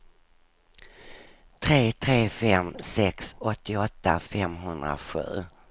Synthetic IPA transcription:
t̪ʰɾeːt̪ʰɾeːfɛmsɛksɔt̪ʰːɪɔt̪ːafɛmɦɵnd̪ɾa̰ɧʉ̟̰ː

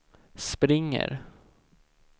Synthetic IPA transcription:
spɾɪŋːə̰ɾ

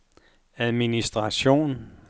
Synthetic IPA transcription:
æðˠminisd̥ʁɑ̈ɕo̝̰ːn

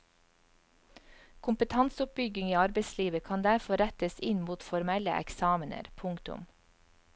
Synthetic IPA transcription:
kʰʊmpət̪ʰɑnsʊp̚bʏɡɪŋiːɑɾbeɪsliːʋəkʰɑnd̪æɾfɔɾæt̪əsɪnmuːt̪fɔɾmɛlə̰ʔɛ̰ksɑːmənə̰ɾpʰʊŋkt̪ʊ̰m

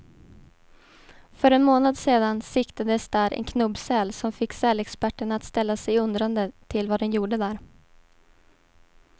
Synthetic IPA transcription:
fœɾɛnmoːnad̪seːd̪ansɪkt̪ad̪əsd̪æːɾʔɛ̰nkʰnɵbsɛlsɔmfɪkːsɛlɛkspæʈːəɳaːt̪st̪ɛlːasɛjɵnd̪ɾand̪ət̪ʰɪlvad̪ɛnjuːɖəd̪æːɾ

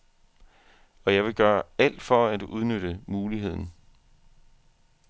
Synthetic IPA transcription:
ɒ̽jɑ̈ɪʋe̝ɡ̥ɶːɐæl̰d̥fɒ̽æd̥uʔuð̞ˠnød̥əmuːliɦe̝ð̞̰ˠn̩

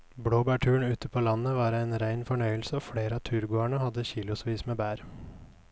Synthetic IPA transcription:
bɽoːbæːʈʰʉːəɳʉːt̪əpʰoːlɑnəʋɑːɾæɪnɾæɪnfɔɳœʏəlsəoːfɽeːɾəɑːt̪ʰʉːɾɡoːæɳəhɑd̪əçiːlʊsʋiːsmeːbæːɾ

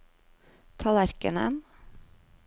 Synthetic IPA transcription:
t̪ʰɑːlæɾkə̰nə̰n

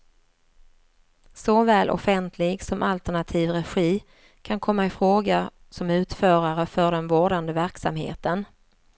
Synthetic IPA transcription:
sɔvɛːlʔɔ̰fɛnt̪ʰlɪɡsɔmʔalt̪əɳat̪ʰiːvɾɛɧiː | kʰankʰɔmːaɪfɾoːɡa | sɔmʉ̟ːt̪fœːɾaɾəfœɖɛnvoːɖand̪əvæɾksa̰mhḛːt̪ən

